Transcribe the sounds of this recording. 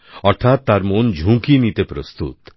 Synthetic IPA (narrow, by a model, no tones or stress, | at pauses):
ɔɾt̪ʰat̪ːaɾmond͡ʒʱũkinit̪epɾost̪ṵt̪